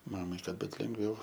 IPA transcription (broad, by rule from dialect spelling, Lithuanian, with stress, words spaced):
ˈmɑːmɐɪ ˈkɐt ˈbʊt lʲɛŋɡˈʋʲɛʊ